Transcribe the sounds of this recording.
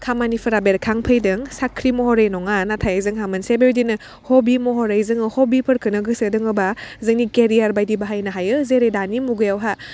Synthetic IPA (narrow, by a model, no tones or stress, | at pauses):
kʰamanipʰɯɾabeɾkʰaŋpʰɐjdɯŋsakʰɾimɔhɔɾejnɔŋanatʰajzɯŋɦamɯnsebeɾdinɯ | hobimɔɦɔɾejzɯŋɯhobipʰɯɾkʰɯnɯɡɯsɯdɯŋɯbazɯŋnikeɾijaɾbajdibaɦajnɐɦajɯzeɾejdanimuɡɯjawɦa